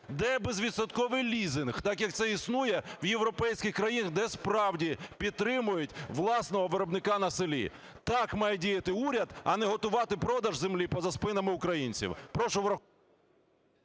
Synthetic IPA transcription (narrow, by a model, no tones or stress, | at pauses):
d̪ɛbezʋʲid̪sɐd̪kɔʋɪjlʲizɪnxt̪ɑkjɐk̚t̪sɛisnujɛwjewɾɔpɛjsʲkʲɪxkɾɐjinɐɣd̪ɛspɾɑwdʲipʲid̪̚t̪ːɾɪmʊjʊtʲʋlˠɑsnɔɦɔʋeɾɔbnɪkɑnɐsɪlʲḭ | t̪ɑkmɑjɛdʲijɐt̪ɪuɾʲɐd̪ɐnɛɦɔt̪ʊʋɑt̪ɪpɾɔd̪ɐʒzemlʲipɔzɐspɪnɐmɪʊkɾɐjinʲt͡sʲḭwpɾɔʃɔʋɾɐ